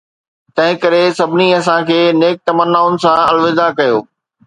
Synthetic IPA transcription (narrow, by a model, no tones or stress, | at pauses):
t̪ɐ̃ɦɪ̃kɐɾesɐbʱɪniɐsãkʰeːneːk̚t̪ɐmənːaʊnɪ̆sãɐlʋɪzakɐjoː